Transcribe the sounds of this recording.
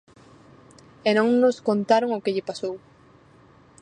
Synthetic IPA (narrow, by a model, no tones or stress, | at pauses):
enõŋnoskont̪aɾoŋokɪʎɪpasow